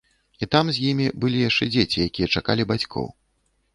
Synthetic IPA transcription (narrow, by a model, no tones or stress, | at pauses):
it̪amzʲjimʲibɨlʲijaʂt͡ʂɛd͡zʲet͡sʲijakʲijɛt͡ʂaka̰lʲibat͡sʲkʰɔ̰w